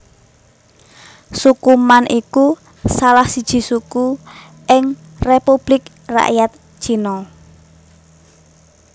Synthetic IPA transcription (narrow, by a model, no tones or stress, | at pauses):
sukumanʔiku | salahsid̥ʒ̥i̤suku | ʔɪŋ | repub̥lɪk | ra̰ʔjat̪̚ʒ̥i̤nɔ